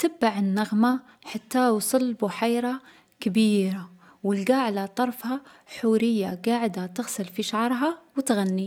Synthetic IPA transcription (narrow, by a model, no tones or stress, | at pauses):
t̪abːaʕɪnːaɣma | ħat̪ːawsˤɨlːbʊħajɾa | kabiːɾa | wɪlɡaːʕlat̪ˤɑɾˤfha | ħuːɾɪjːaɡaːʕɪd̪at̪ɪɣsɪlfiʃaʕɑɾˤɦawɪt̪ɣanːi